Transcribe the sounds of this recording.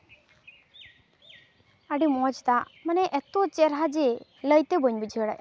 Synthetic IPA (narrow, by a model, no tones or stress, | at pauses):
aɖimɔd͡ʒt̪aʔmanɛʔɛt̪ot͡ʃɛɾɦad͡ʒɛləjt̪ɛbəɲbid͡ʒʱəɽa̰jʔ